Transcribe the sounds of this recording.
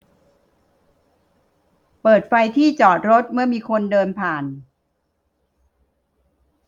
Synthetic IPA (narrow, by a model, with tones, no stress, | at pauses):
pɤː˨˩t̪̚fa˧jt̪ʰiː˥˩t͡ɕɔː˨˩t̪̚ɾo˦˥t̪̚mɯ˥˩ɐmiː˧kʰo˧ndɤː˧npʰaː˨˩n